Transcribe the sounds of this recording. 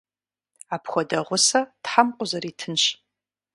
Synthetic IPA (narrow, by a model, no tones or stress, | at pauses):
aːpʰxʷɔdɐʁʷʊsɐtħamqʷʼʊzɐɾitʰɨnɕ